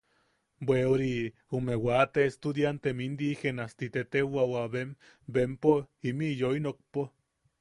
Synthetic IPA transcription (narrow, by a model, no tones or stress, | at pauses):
bweoɾi | umewat̪eest̪uðjant̪emind̪ixenast̪it̪et̪ewawaβem | bempoimijoinok̚po